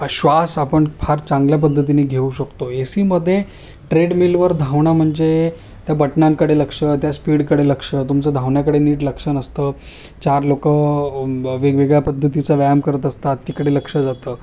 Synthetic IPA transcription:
ɕʋasapəɳpʰaɾt͡sãŋɡljap̬əd̪ʱːət̪ineɡʱeuɕəkt̪oesiːməd̪ʱːje | ʈɾeɽmilʋəɾd̪ʱaʋɳam̤əɳd͡ze | t̪jabəʈɳaŋkəɽeləkʂət̪jaspiːɽkəɽeləkʂət̪umt͡səd̪ʱaʋɳjakəɽeniːʈləkʂənəst̪əː | t͡ɕaɾlokə | ʋeʋeɡɭjapəd̪ʱːət̪it͡səʋaamkəɾət̪əst̪at̪ːiːkəɽeləkʂəd͡zat̪əː

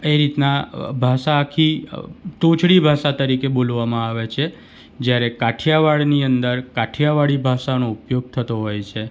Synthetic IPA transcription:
eɾit̪nabʱaʃaːkʰit̪õt͡ʃʰɽibʱaʃat̪əɾikebolʋamãaʋet͡ʃʰe | d͡ʒjaɾekaʈʰijaʋaɭniənd̪əɾkaʈʰjaʋaɭibʱaʃanoupjoɡ̚t̪ʰət̪oɦojt͡ʃʰe

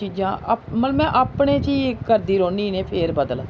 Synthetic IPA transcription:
iːd͡ʒãːmət̪ləmɛ̃ːʔaːpɳeːt͡ʃiːekːəɾd̪iːɾoːniːneːpʰeːɾbəd̪əl

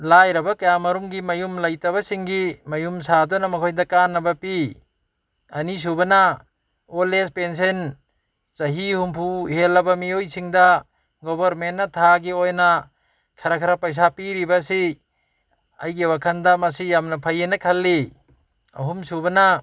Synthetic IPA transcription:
lajɾɐbakɐjamɐɾumɡimɐjumlɐjtɐβasiŋɡimɐjumsadɔnamɐkʰojdakanːɐbapi | ɐnis̬ubɐna | olespens̬en | t͡ʃɐɦihumpʰuhelːɐbamiojsiŋda | ɡɔbaɾmentːatʰaɡiojna | kʰɐɾakʰɐɾapɐjs̬apiɾibasi | a̰jɡiwakʰɐndamɐsijamnɐpʰajenakʰɐlːi | ɐ̰ɦumsubɐna

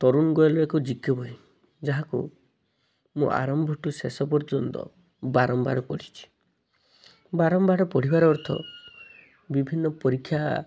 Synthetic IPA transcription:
t̪ɔɾunɡɔjɔlɔekɔd͡ʒikjɔbʱɔi | d͡ʒaɦakṵ | mṵ̃ʔa̰ɾɔmbʱɔʈusesɔpɔɾd͡ʒɔnt̪ɔ̰ | baɾɔmbaɽɔpɔɽ̤it͡ʃʰi̥ | baɾɔmbaɽɔpɔɽ̤ibaɾɔːɾt̪ʰɔ̰ | bibʱinːɔpɔɾikʰːja

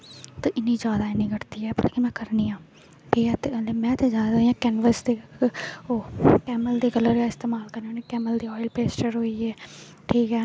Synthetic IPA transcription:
t̪aːʔɪniːd͡ʒjaːd̪aːɪnĩːɡəɾt̪iːɛːbəleːkɪmɛ̃ːkəɾniːãː | ʈʰiːkɛːt̪ːmɛ̃ːt̪eːd͡ʒjaːd̪aːɦoiːãːkɛːnʋəsd̪eː | oːkɛːməld̪eːkələɾjaːɪst̪eːmaːlkəɾnoːnẽːkɛːməld̪iːɔːɪlpeːsʈəɾɦoːiːɛː | ʈʰiːkɛː

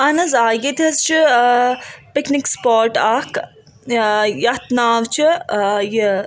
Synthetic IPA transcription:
ɐnɐzaːjit̪ʲɐzt͡ʃi | piknikspoːɾʈaːk | jɐt̪naːʋt͡ʃʰije

